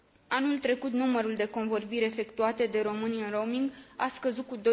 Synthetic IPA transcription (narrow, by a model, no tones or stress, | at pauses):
anult̪ɾe̞kut̪numəɾuld̪e̞ko̞nvo̞rbiɾʲe̞fe̞kt̪uat̪e̞d̪e̞ɾo̞mɨniɨnro̞miŋɡa̰skəzut̪̚kud̪o